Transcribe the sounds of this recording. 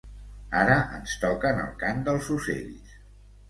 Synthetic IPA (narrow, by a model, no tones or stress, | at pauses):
aɾəʔə̰nst̪ɔkənə̰lˠkamd̪əlˠzusḛʎs